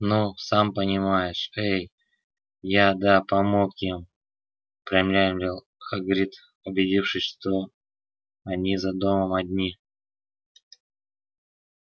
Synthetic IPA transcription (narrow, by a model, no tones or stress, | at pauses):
nusampənʲɪmajɪʂej | jad̪apɐmokjɪm | pɾʲɪjɪmlʲæjɪmlʲɪlˠxɐɡɾʲit̪ | ʊbʲɪdʲifʂɨsʲʂt̪o | ɐnʲizɐd̪o̞məmɐd̪ʲnʲi